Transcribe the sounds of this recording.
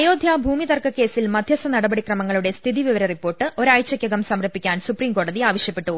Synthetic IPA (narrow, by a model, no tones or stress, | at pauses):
ɐjo̞ːd̪ʱjaːbʱuːmiðɐrkɐkːe̞ːsilmɐd̪ʱjɐsɐnɐɽɐbɐɽikrɐmɐŋːɐɭuɽe̞st̪ʰiðiʋiʋɐɾɐripːo̞ːrʈːɨo̞ɾajt͡ɕːɐkʲːjɐɡɐmsɐmrɐpːikʲːaːnsupriːmko̞ːɽɐðiaːʋɐɕjɐpːe̞ʈːu